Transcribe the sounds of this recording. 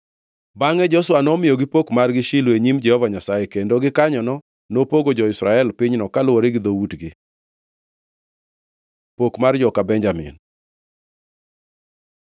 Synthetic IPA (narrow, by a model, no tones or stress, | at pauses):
baŋɛd͡ʒɔswanɔmɪjoɡɪpokmarɡɪʃiloeɲimd͡ʒɛhɔvaɲasajɛkendoɡɪkaɲɔnɔ | nopoɡod͡ʒɔɪsɾaɛlpɪɲnɔkalʊwoɾɪɡɪd̪owutɡɪ | pokmard͡ʒɔkabɛɲd͡ʒamɪ̰n